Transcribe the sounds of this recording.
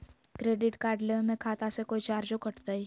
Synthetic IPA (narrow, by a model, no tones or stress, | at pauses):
kɾeːɖɪʈkaːɾɖlemẽkʰaːt̪asekoːit͡ʃaːɾd͡ʒokɐʈt̪ai